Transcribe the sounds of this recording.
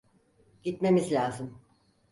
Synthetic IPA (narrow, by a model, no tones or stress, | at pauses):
ɟ̥it̪me̞mizlʲaːzɯm